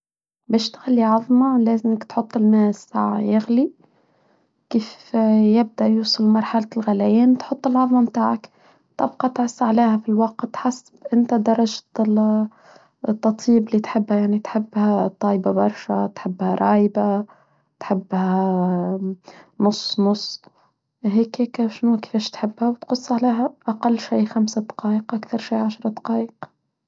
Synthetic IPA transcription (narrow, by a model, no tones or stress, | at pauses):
bæʃt̪ɣalːiʕɑðˤmɑlaːzɪmɪkt̪ħʊt̪ˤːɪnneːsaʕajɪɣli | kiːfjɪb̚d̪aʔjuːsˤɨlmɑɾˤħalalɣalajiːnt̪ħʊt̪ˤːɪlʕɑðˤmɑmt̪aːʕak | t̪ˤɑbqɑt̪ʕʊsːʕaleːhafilwɑq̚t̪ħasːbʔɪnt̪ad̪ɑɾˤɑʒ | t̪ˤːɑt̪ˤiːbɪliːt̪ħɪbːhajaʕnit̪ħɪbːhat̪ˤːɑːjbabɑɾˤʃat̪ħɪbːhaɾˤɑːjba | t̪ħɪbːha | nʊsˤːnʊsˤ | ɦeːkheːkʃnukɪ̥feːʃt̪ħɪbːhawt̪qʊsˤːʕaleːɦaʔaqalːʃiːxamsad̪ɑ̥qɑːʔɪqʔakθɑɾˤʃiːʕaʃɾˤɑd̪ɑ̥qɑːʔɪq